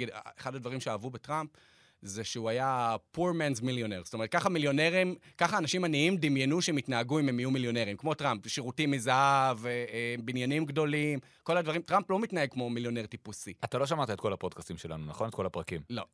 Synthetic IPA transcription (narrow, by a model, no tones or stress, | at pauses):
ideχadadvaʁimʃeavubetʁamp | zeʃeuajapuʁmenzmiljoneʁstomet̪̚kaχamiljo̞ne̞ʁimkaχaːnaʃimaniimd̪imjenuʃemit̪naːɡuimemijumiljo̞ne̞ʁimkmo̞tʁampʃiʁutimizaavbinjanimɡdo̞lim | ko̞lad̪vaʁimtʁamplo̞mit̪naeɡ̚kmo̞miljo̞neʁt̪ipusiat̪alo̞ʃamat̪aet̚ko̞lapodkast̪imʃela̰nunaχo̞net̚ko̞lapʁakimlo̞